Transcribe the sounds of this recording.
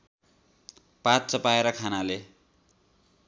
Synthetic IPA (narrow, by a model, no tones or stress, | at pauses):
pat̪̚t͡sʌpaeɾʌkʰanale